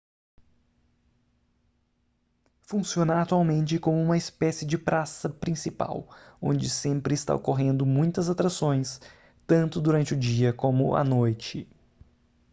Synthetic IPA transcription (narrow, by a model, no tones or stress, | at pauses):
fũsiõnaːt̪uawmẽnt͡ʃɪkõmʊũmɐɪspɛsɪd͡ʒɪpɾasɐpɾĩsipa̰wõ̰nd͡ʒɪsẽmpɾɪɪst̪a̰okoɦẽnd̪ʊmũj̃t̪ɐzat̪ɾasõj̃s | t̪ɐ̃nt̪ʊd̪uɾɐ̃nt͡ʃɪʊd͡ʒiɐkõmʊ̰ʔɐ̰nojt͡ʃɪ